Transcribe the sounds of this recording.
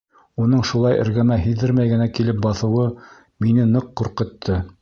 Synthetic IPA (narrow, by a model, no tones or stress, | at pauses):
unɤɴʃulˠɑjɘ̰̆ɾɡæmæɦiðɘɾmæjɡɘ̆nækilɘp̚bɑθɤ̆wɤ | minɘnɤqːuɾqɤ̆t̪ʰːɤ